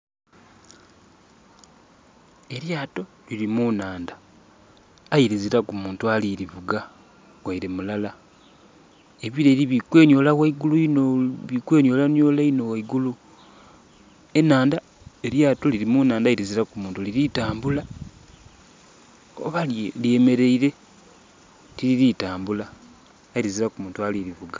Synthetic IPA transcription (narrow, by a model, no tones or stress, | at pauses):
e̞ɾjaːto̞ | liɾimunaːnda | jiɾiziɾakumuːntualiɾiβuɡa | ɡwaiɾemulala | eβiɾeɾiβikwe̞ːɲjo̞ːlawaiɡuluinoβikwe̞ːɲjo̞ːlanjo̞ːlaino̞waiɡulu | e̞naːnda | eɾjaːtoliɾimunaːndaiɾiziɾakumuːntuliɾitaːmbula | oβallieme̞ɾe̞iɾe̞ | tiliɾitaːmbulaː | iɾiziɾakumuːntualiɾiβuɡa